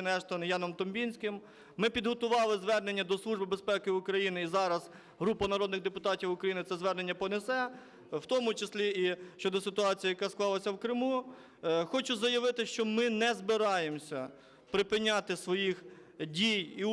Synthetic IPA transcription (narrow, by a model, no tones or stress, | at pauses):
nɛʃt̪ɔnjɑnɔmt̪ɔmbʲinʲsʲkɪmː | ɪpʲid̪ɦɔt̪ʊʋɑlˠɪzʋɛrnenʲːɐd̪ɔslˠuʒbɪbespɛkɪʊkɾɐjinɪizɑɾɐz | ɦɾupɐnɐɾɔd̪nɪɣd̪epʊt̪ɑtʲiwʊkɾɐjinɪt̪sɛzʋɛrne̞nʲːɐpɔnesɛ | wt̪ɔmʊt͡ʃesʲlʲiiʃt͡ʃɔd̪ɔsɪt̪ʊɑt͡sʲijɐjɐkɑsklˠɑlˠɐsʲɐwkɾɪmu | xɔt͡ʃʊzɐjɐʋɪt̪ɪʃt͡ʃɔmɪnɛzbɪɾɑjemsʲɐ | pɾɪpɪnʲːɑt̪ɪsʋɔjix | dʲiji